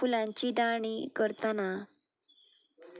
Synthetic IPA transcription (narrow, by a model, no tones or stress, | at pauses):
fulãɲt͡ɕiːd̪aɳ̃iːkəɾt̪ana